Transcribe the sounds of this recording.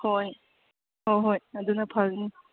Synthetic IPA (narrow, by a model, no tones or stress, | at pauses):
hoj | hojɦojɐdunɐpʰɐlni